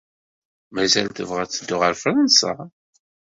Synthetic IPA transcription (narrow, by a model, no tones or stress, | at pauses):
mæzælt̪əvʁæt͡sːəd̪ːʊʁəɾfɾənsa̰